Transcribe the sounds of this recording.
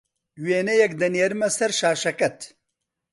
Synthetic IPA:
weːnɐjɐkd̪ɐnjeɾɨmɐsɐɾʃaːʃɐkɐt̪

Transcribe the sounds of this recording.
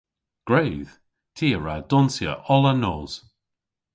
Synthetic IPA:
ɡ̥ɹejð̥ | tʰiːəɹa̰dɔnsjə̰ʔɔlənoːz̥

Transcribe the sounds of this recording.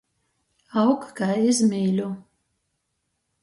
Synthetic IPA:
awkkaːizmʲiːlʲu

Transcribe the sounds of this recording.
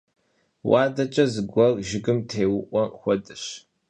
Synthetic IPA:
wɑːdɐt͡ʃʼɐzɨɡʷɔrʒɪɡɨmtʰeːwʊʔʷɔxʷɔdɨɕ

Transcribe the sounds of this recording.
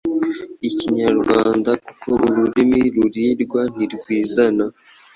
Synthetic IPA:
iciɲaɾɡwaːndaku̥kʰo̞ʔuɾuɾimiɾuɾiɾɡwan̥iɾɡwiːzana

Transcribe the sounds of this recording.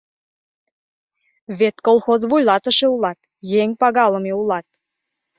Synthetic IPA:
βet̪kolˠxozβujlˠɑt̪ə̆ʃeulɑt̪ | jeŋʲpɑɣɑlə̆meulɑt̪̚

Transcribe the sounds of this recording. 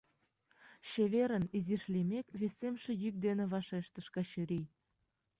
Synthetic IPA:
ɕeβeɾə̆niziʃlʲimʲekʲβesemʃĕjyk̚d̪enĕβɑʃeʃt̪ə̆ʃkɑɕɘ̆ɾij

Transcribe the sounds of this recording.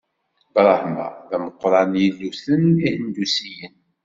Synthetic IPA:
bɾˤɑhmæ̰ðæməqːɾˤɑnjilːuθənihənd̪usijən

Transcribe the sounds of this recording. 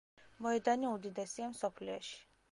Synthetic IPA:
mɔɛd̪aniud̪id̪ɛsiɛmsɔpʰliɛ̰ʃi̥

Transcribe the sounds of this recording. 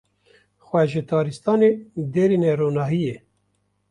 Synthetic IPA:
xwʷɛʒɪt̪ʰɑːɾist̪ɑːned̪eːɾinɛɾoːnɑːɦijeː

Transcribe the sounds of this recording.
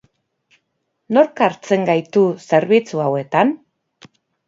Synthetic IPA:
no̞ɾkaɾt͡se̞ŋɡajt̪use̞ɾβ̞it͡suawe̞t̪an

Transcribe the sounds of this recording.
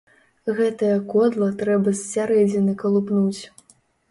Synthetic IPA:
ɣɛt̪ɐjɐkɔd̪lˠɐt̪ɾɛbɐsʲsʲaɾɛd͡zʲɪnɨkɐlˠupnut͡sʲ

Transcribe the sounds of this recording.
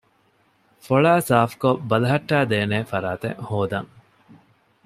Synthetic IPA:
foɭaːsaːfkobɐlɐɦɐʈːæːd̪eːneːfɐɾaːt̪ḛŋhoːd̪ɐŋ

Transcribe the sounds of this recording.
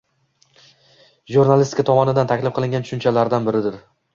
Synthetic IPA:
ʒuɾnalʲist̪ɪ̥kʰat̪ʰɒmɒnɪd̪ant̪ʰakʲlɪfqɨlˠɪŋʲɡʲant̪ʰʊ̥ʃʊnt͡ʃʰalaɾd̪anbɪɾɪd̪ɪɾ

